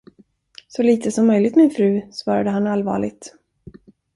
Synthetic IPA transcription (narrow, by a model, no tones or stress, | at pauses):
sɔliːt̪ʰəsɔmːœjlɪt̪mɪnfɾʉ̟ːsvɑːɾad̪əɦanalvɑ̰ːɭɪ̰ɡt̪